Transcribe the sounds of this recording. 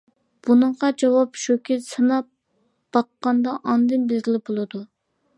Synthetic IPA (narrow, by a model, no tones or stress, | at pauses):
b̥unɨɴʁɑd͡ʒɑwɑpʃokʲʰɪsɨnɑp | b̥ɑqːɑnd̪ɑʔɑnd̪ɨnbɪlɡʲilɪbolˠɨd̪u